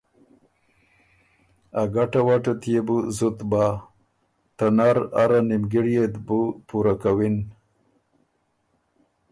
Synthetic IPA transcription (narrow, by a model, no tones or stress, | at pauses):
aɡaʈawaʈat̪jebuzut̪ba | t̪anaɾaɾanimɡiɽjet̪bupuɾakawin